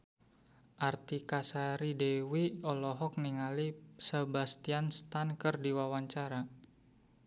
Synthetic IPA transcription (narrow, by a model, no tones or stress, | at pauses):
ʔart̪ikasaɾidewiɔlɔɦɔk̚niŋalisəbast̪ianst̪ankərdiwawaɲt͡ʃaɾa